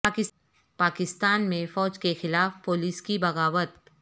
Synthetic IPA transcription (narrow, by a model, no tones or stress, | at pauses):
kɪ | paːkɪst̪aːnmẽfɔːd͡ʒkexɪlaːfpoːliːskibɐɣaːwət̪